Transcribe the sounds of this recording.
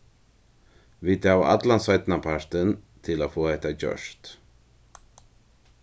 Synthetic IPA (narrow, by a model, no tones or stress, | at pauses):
vɪt̪aːwaʔa̰t̪lansœjt̪napʰaɾ̥t̪ənt̪ʰɪlafoːhɛht̪acœ̰ʂt̪